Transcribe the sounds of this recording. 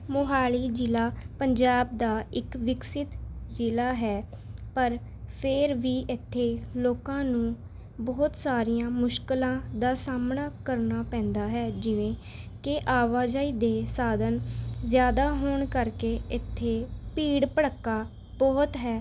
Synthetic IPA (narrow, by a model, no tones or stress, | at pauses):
mʊɦaːliːd͡ʒɪlaːpəɲd͡ʒaːb̚d̪aːɪkʋɪksɪt̪d͡ʒɪlaːɦɛːpəɾ | pʰɪɾʋiːʔɪt̪ʰːeːloːkãːnũː | bɔːt̪saːɾijãːmʊʃkəlãːd̪aːsaːmɳaːkəɾnaːpɛ̃ːnd̪aːɦɛːd͡ʒɪʋẽː | kɪʔaːʋaːd͡ʒaːiːd̪eːsaːd̪ənzjaːd̪aːɦoːɳkəɾkeːɪt̪ʰːeːpiːɽpəɽəkːaː | bɔːt̪ɦɛː